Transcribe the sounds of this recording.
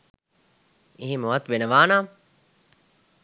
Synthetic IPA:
eɦimuɐt̪ʋenəʋaːnaː

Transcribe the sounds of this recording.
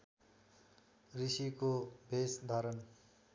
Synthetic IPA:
risikobʱesd̪ʱaɾʌn

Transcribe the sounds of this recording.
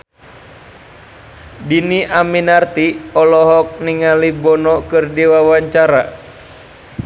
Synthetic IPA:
diniʔaminart̪iɔlɔɦɔk̚niŋalibɔnɔkɨrdiwawaɲt͡ʃaɾa

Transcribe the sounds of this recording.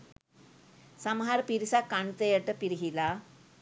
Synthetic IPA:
samɦaɾpiɾsakːaɳt̪əjəʈəpiɾɦila

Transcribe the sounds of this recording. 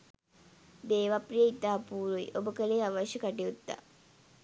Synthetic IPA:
d̪eːʋaprijəit̪aːpuːɾuḭʔobəkəleːaʋaʃəkaʈiut̪ːa̰

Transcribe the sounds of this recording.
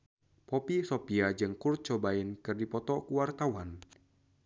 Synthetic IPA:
popisopiad͡ʒɨŋkur̚t͡ʃɔbainkɨrdipɔt̪ɔkuwart̪awan

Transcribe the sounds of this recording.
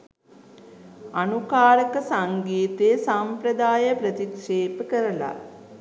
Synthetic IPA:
anukaːɾəkəsaŋɡiːt̪esampɾəd̪aːjəpɾət̪ikʂeːpəkəɾəla̰

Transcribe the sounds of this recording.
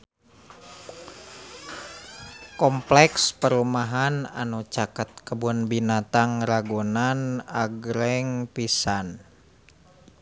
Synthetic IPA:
kɔmplɛkspəɾumaɦana̰nut͡ʃakət̪̚kəbunbinat̪aŋɾaɡonanaɡɾɛŋpisan

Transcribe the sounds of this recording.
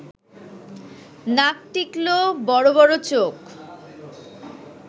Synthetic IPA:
nak̚ʈiklobɔɾoβɔɾot͡ɕok

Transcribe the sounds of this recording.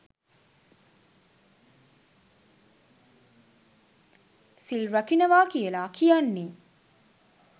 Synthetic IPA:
silɾɐkinəʋaːkijəlaːkʰijanːiː

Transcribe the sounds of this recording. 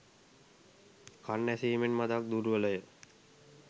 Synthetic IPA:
kʰanːæsiːmenmad̪ak̚d̪uɾuʋələjə

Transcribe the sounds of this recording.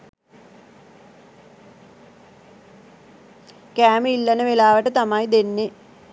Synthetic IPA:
kaːmilːɐnəʋelaːʋɐʈːət̪ɐmaːjd̪enːe

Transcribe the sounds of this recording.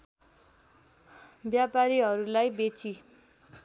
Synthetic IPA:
bjapaɾiɦʌɾulajbet͡sʰi

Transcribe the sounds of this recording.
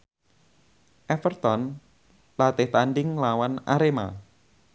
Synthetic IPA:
ʔɛfərt̪ɔn | lat̪ɪht̪anɖɪŋlawanaɾema̰

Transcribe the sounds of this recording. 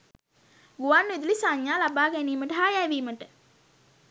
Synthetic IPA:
ɡuʋanːid̪ulisaɲjaːlabaːɡæniːməʈəɦajæʋiːməʈə

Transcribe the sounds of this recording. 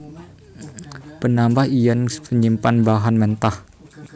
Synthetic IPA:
pənambahijanpəɲimpanbaɦanmɛnt̪ah

